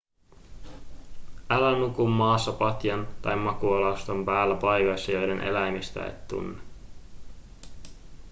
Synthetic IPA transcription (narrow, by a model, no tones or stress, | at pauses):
ælænukumːɑːsːɑpɑt̪jɑnt̪ɑjmːɑkuolɑst̪o̞mpæːlːæpɑjkɑjsːɑjo̞jde̞nʔe̞̰læjmist̪æ̰ḛt̪ːṵnːe